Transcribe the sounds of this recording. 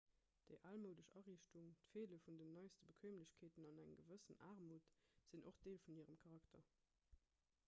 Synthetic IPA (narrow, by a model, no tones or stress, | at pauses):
d̥əɪʔaːlməʊdəɕɑʁiːɕtuŋtfeːləfundənːɑɪstəbəkʰweːmləɕkʰeːtənɑnæŋɡəvəsənʔa̰ːʁmuːtz̥inʔoχd̥eːlfuniːəʁəmkʰɑʁɑktɐ